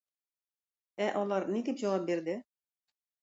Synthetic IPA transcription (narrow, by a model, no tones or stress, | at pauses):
æʔɒlˠɑɾnid̪ipʑɒwɑp̚biɾd̪ɪ